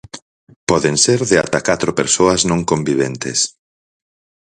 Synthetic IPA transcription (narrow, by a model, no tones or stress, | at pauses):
pɔðeŋseɾðea̰t̪akat̪ɾopeɾsoɐznõŋkombiβent̪es